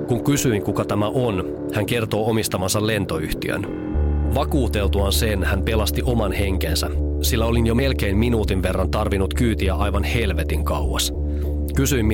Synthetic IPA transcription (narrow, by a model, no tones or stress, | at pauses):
kuŋkysyiŋkukɑt̪æmæʔon | hæŋke̞rt̪o̞ːomist̪ɑmɑnsɑlːe̞nt̪o̞yht̪iø̰n | ʋɑkuːt̪e̞lt̪uɑnse̞nhæmpe̞lɑst̪iʔo̞mɑnhe̞ŋk̟ensæ | silːæo̞linjo̞me̞lk̟e̞imminuːt̪inʋe̞rːɑnt̪ɑrʋinut̪kyːt̪iæʔɑjʋɑnhe̞lʋe̞t̪iŋkɑwɑs | kysyimː